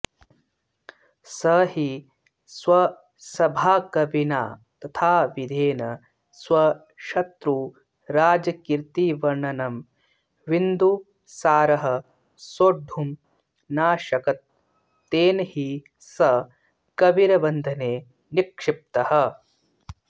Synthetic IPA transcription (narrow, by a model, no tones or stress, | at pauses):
sɐɦi | sʋɐ | sɐbʱaːkɐʋina̰ːt̪ɐt̪ʰaːʋid̪ʱeːnɐ | sʋɐ | ʃɐt̪ɾuː | ɾaːd͡ʒɐkiɾt̪iʋɐɳɐnɐm | ʋind̪u | saːɾɐɦɐ | soːɖʱːum | naːʃɐkɐt̪̚ː | eːnɐhi | sɐ | kɐʋiɾɐbɐnd̪ʱɐneː | nikʂɪp̚t̪ɐhɐ̆